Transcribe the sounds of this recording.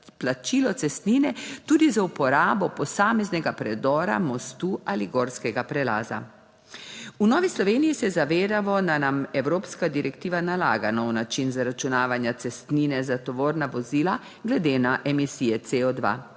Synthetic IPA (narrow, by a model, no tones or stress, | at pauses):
plat͡ʃiːlɔt̪sɛst̪niːnɛt̪uːd̪izaupɔɾaːbɔpɔsaːmɛznɛɡapɾɛd̪ɔːɾa̰mɔst̪uʔaliɡɔːɾskɛɡapɾɛla̰ːza̰ | unɔːʋislɔʋeːnijisɛzaʋeːd̪aʋɔnanamɛwɾoːpskad̪iɾɛkt̪iːʋanala̰ːɡanɔwnat͡ʃinzaɾat͡ʃunaːʋanjat̪sɛst̪niːnɛzat̪ɔʋoːɾnaʋɔziːla | ɡlɛd̪enaʔɛmisijɛt̪seɔd̪ʋa̰